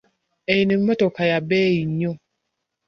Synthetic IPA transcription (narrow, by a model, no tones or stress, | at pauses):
ejinim̩mɛtokajabeiɲːo